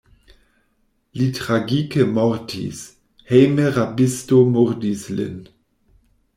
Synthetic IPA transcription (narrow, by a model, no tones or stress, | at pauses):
litʁaɡikəmɔʁtʰḭs | hejməʁabɪstomoʁdislɪ̰n